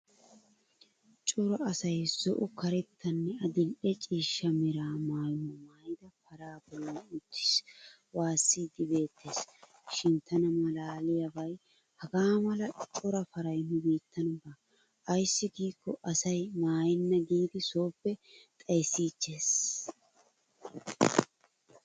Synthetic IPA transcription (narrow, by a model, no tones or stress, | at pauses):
t͡ʃʼɔɾɔɐsɐjz̥ɔʔʊkɐɾɛt̪ʰːɐnːɛɐd̪ɪlʔɛt͡ʃʼiːʃːɐmɪɾaːmaːjʊnːɐmaːjɪd̪ɐpɐɾaːbɔlːɔnʊt̪ːɪ̥s | waːsːiːd̪ɪbe̞ːt̪ʰːe̞ːs | ʃɪnt̪ʰɐnɐmɐlaːlɪjɐbɐj | hɐɡaːmɐlɐt͡ʃʼɔɾɐfɐɾɐjnːʊbiːt̪ːɐnʊbɐ | ʔːjsːɪɡiːkːɔʔɐsɐjmaːjɪnːɐɡiːd̪ɪso̞ːpːɛt̪ʼɐjsːiːt͡ʃːe̞ːs